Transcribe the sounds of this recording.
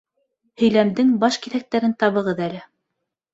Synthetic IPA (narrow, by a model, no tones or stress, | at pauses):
hɵ̆jlæmd̪ɘŋbɑʃkiθæk̚t̪æɾɘnt̪ɑβɤ̆ʁɤðælɘ